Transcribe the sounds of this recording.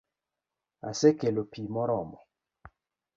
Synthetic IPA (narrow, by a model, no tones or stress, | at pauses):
a̰sekelopʰimɔɾɔmɔ